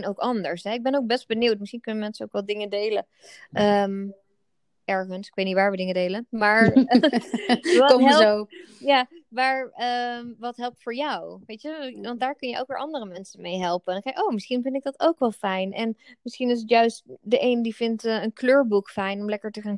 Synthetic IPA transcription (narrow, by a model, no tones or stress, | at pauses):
nowkɑndəɹsɦɛɪɡ̚bɛnoʊk̚bɛst̚bəniwtmɪsχinkɵnəmɛnsənowkʋɛldɪŋədejlə | ʔəm | ʔɛɹχənsɪ̥kʋejtnitʋaːɹʋədɪŋədejlənmaːɹ | ɦɛlˠojaːmaːɹəmʋɑtɦɛlˠp̚tfʊːɹjɔwʋejtəʋɑntdaːɹkɵnjəʔo̰wk̚ʋɪːɹʔɑndərəmɛnsənmejɦɛlˠpənkɛjkʔowmɪsχinvɪntɪɡ̚dɑtowkʋɛlˠfɛjnʔɛnmɪsχinɪs̬ətjœɥstdəʔejnədiv̥ɪntənkløːɹbukfɛjnɔmlɛkəɹtəχaːn